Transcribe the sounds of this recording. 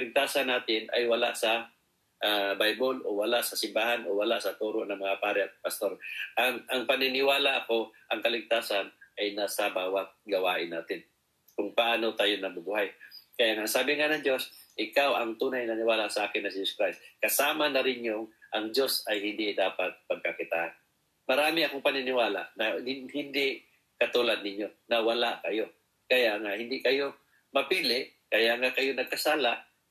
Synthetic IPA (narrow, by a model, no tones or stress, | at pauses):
lɪɡ̚t̪aːsanːaːt̪ɪna̰jwɐla̰ʔsɐ | ʔabajbolʔowalaʔsɐsɪmbaːhanowɐlaʔsɐt̪uːɾoʔnɐŋmɐŋapaːɾɛʔɐt̪̚pɐst̪o̞ɾʔaŋʔaŋpɐnɪnɪwaːlaʔɐko̞ʔɐŋkɐlɪɡ̚t̪aːsanʔajnasabaːwat̪̚ɡɐwaːʔɪnːaːt̪ɪn | kʊŋpaʔaːnot̪aːjonɐmʊɡʊhajkɐjaŋaŋsaːbɪŋanɐŋd͡ʒo̞sʔɪkawaŋt̪uːnajnɐnɪwaːlaʔsaʔaːkɪnːɐsɪd͡ʒoskɾajst̪kɐsaːmanɐɾɪnjʊŋʔɐŋd͡ʒosɐjhɪnd̪ɪd̪aːpat̪̚pɐɡ̚kakɪt̪a̰ʔan | mɐɾaːmɪɐkoŋpɐnɪnɪwaːla̰ʔnaɪhɪnd̪ɪʔ | kɐt̪ulad̪nɪɲjonawalaʔkɐjo | kɐjaʔŋahɪnd̪ɪʔkɐjo | mɐpiːlɪʔ | kɐjaʔŋakɐjonɐɡ̚kɐsaːlaʔ